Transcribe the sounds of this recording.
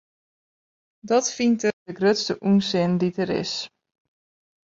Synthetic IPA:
dɔtfintəəɡrøtstəʔunsɪnditəɾɪ̰s

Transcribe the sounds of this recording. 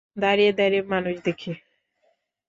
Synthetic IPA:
d̪aɾijed̪aɾiemanuʃd̪ekʰi

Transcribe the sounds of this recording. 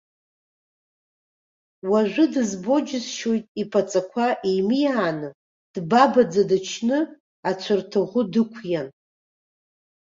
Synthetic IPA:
waʒᶣʷɨdɨzbo̞d͡ʒɪzʃo̞jtʼipʼat͡sʼakʷʰaʔijmijaːnɨ | d̥babad͡zadɨt͡ʃʰnɨ | at͡ɕʷʰɨrtʰɨʁʷʊdɨkʷʰjan

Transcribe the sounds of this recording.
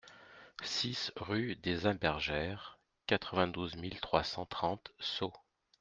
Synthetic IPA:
sisʁyd̪ezɛ̃bɛʁʒɛʁ | kat̪χəvɛ̃d̪uzmilt̪χwasɑ̃t̪χɑ̃t̪so

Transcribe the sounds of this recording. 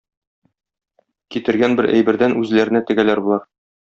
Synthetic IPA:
kit̪ɘ̆ɾɡænbɘɾʔæ̰jbɘ̆ɾd̪ænʉzlæɾɘ̆næt̪ɘ̆ɡælæɾbulˠɑɾ

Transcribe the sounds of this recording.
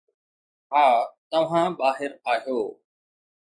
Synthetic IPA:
ɦaːt̪ɐʋ̤ãːɓaːɦɪɾaːɦjoː

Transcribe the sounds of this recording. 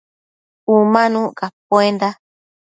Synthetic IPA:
umãnũkap̚oend̪a

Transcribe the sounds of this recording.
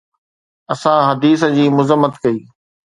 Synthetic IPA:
ɐsãɦɐd̪iːs̬d͡ʑiːmʊzəmːət̪kɐiː

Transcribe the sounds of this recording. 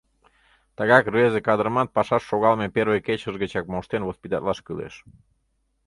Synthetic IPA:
t̪ɑɣɑkrβezekɑd̪əɾəmɑt̪̚pɑʃɑʃːoɣɑlmeperβəjket͡ɕəʒɣət͡ɕɑk̚moʃt̪envospʲit̪ɑt̪lɑʃkɯlḛʃ

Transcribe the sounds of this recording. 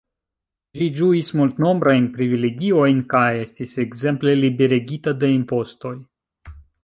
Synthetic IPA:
d͡ʒid͡ʒuismult̪no̞mbɾajnpɾivileɡio̞jnkaje̞stiseɡze̞mple̞libe̞ɾeɡitade̞impo̞sto̞j

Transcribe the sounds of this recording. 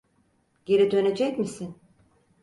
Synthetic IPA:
ɟ̥e̞ɾid̪ø̞ne̞d͡ʒɛcmisin

